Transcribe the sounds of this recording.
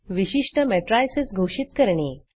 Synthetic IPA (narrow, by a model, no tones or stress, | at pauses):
ʋiɕiʂʈəmɛʈɾajsesɡʱoʂit̪̚kəɾɳe